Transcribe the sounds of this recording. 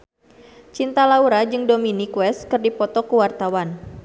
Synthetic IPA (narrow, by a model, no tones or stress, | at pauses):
t͡ʃint̪alauɾad͡ʒɨŋdominikwɛst̪kɨrdipɔt̪ɔkəwart̪awan